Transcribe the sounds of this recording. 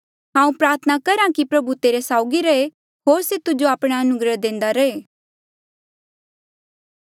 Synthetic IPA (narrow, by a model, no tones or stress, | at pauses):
ɦãːũpɾaːɾt̪ʰənakɐɾãkipɾɐbut̪eːɾesaːʊɡiɾɐe | ɦoːɾset̪ʊd͡ʒoaːpɽ̃aɐnʊɡɾəd̪ẽːnd̪aɾɐeː